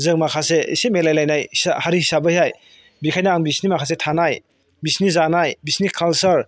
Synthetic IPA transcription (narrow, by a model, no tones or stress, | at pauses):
zɯŋmakʰaseḭsemelajlajnajsahaɾihisabəhihaj | bikʰajnaːŋbisnimakʰas̬etʰanaj | bisniszanajbisnikʰalsɐɾ